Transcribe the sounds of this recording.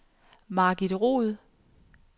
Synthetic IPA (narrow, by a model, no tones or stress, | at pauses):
mɑ̈ɡ̥id̥ʁo̝̰ːð̩ˠ